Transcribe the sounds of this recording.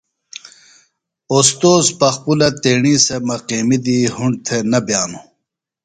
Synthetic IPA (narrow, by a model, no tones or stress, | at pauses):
ost̪oːzpɐxpulɐt̪eːɳiːsemɐqiːmid̪iːhuɳɖ̚t̪ʰenɐbjaːnu